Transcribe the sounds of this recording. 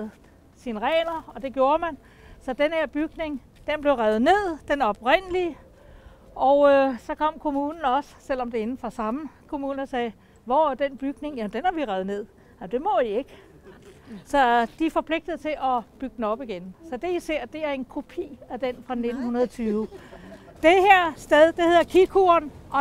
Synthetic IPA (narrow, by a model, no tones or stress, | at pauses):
ð̩ | sinəʁɛːnɐɒ̽d̥e̝ɡ̥jo̝ːɐmæn | sɒ̽d̥enheɐ̰b̥yɡ̥ne̝ŋ | d̥enb̥le̝ʊʁað̩ˠne̝ð̰ˠd̥enɒ̽b̥ʁen̰liə | ʔɒʊsɒ̽kʰɒ̽m̰kʰo̝muːnn̩ɒ̽ssel̰ɒ̽md̥e̝e̝nn̩fɒ̽sɑ̈məkʰo̝muːnɐsɛː | ʋɒd̥enb̥yɡ̥ne̝ŋjæmnd̥enhæʋiʁɛð̩ˠne̝ð̞̰ˠ | æmd̥e̝mɒie̝ɡ̥ | sɒ̽d̥ifɒ̽pʰle̝ɡ̥̚d̥əð̩ˠt͡sʰe̝ʔɒb̥yɡ̥̚dn̩ɒ̽b̥iɡ̥ensɒ̽d̥e̝ise̝ɐ̰d̥e̝æɐe̝nkʰo̝pʰḭːæd̥enfʁɑ̈ne̝d̥n̩hunɐðˠt͡sʰyːʊ | d̥eheɐ̰sd̥eðˠd̥e̝he̝ð̰ˠɐkʰikʰuɐnʔɒ̽